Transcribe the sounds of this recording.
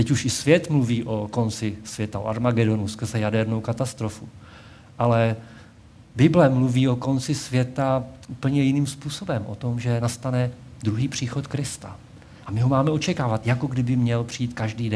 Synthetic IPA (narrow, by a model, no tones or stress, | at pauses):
t̪ɛcuʃɪsvjɛt̪mluviːʔo̞ko̞nt͡sɪsvjɛt̪ao̰a̰ɾmaɡɛdo̞nuskr̩zɛjadɛɾno̞wkat̪ast̪ɾo̞fu | ʔalɛ | bɪblɛmluviːo̞ko̞nt͡sɪsvjɛt̪aʔuːpl̩ɲɛjɪniːmspuːso̞bɛmʔo̰t̪o̞mʒɛnast̪anɛd̪ɾuɦiːpr̝̥iːxo̞t̪kɾɪst̪a | ʔamɪɦo̞maːmɛo̞t͡ʃɛkaːvat̪jako̞ɡdɪbɪmɲɛlpr̥iiːt̪kaʒdiːdɛ